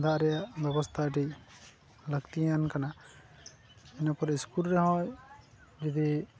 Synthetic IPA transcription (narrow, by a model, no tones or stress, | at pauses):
d̪aʔɾɛjaʔbɛbɔst̪ʰaɖi | ləɡt̪iankana | inapɔɾiskulɾɛɦɔ̃j | d͡ʒid̪i